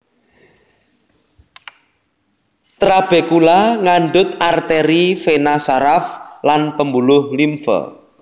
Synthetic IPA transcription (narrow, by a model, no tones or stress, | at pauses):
t̪ɾab̥ekulaŋaɳɖʊt̪̚art̪eɾifenasaɾaflanpəmbulʊhlimfə̰